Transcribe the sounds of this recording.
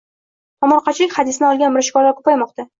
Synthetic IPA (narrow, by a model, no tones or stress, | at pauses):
ɒmɒɾqʰɑt͡ʃʰɪlɪkʲχɑd̪ɪsɪnɪɒlˠɡʲanmɪɾɪʃkɒɾlaɾkʰʊ̥pajmɒqt̪a